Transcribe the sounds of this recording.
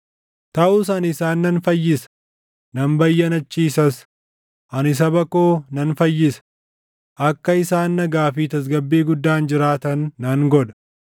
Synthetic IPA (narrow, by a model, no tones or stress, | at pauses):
t̪ɐʔusɐnɪsaːnːɐnfɐjːɪsɐ̥ | nɐmbɐjːɐnɐt͡ʃːiːsɐs | ʔɐnɪs̬ɐbɐkoːnɐnfɐjːɪsɐ̥ | ʔɐkːɐɪsaːnːɐɡaːfiːt̪ɐs̬ɡɐbːiːɡʊd̪ːaːnd͡ʒɪɾaːt̪ɐnːɐŋɡɔd̪ɐ̥